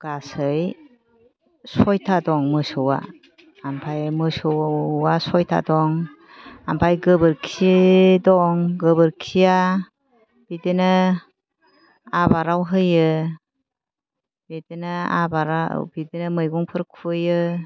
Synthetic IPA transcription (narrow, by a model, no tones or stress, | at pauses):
ɡ̥asɯj | sɔjtʰadɔŋmɯsɯwa̰ː | mpʰajmɯsɯwwasɔjtʰa̰dɔŋ | ampʰajɡɯbɯɾkʰidɔŋɡɯbɯɾkʰija | b̥idɯnɯ | abaɾawɦɯjɯ | b̥idɯnɯa̰baɾa̰b̥idinɯmɯjɡɔŋpʰɯɾkʰujɯ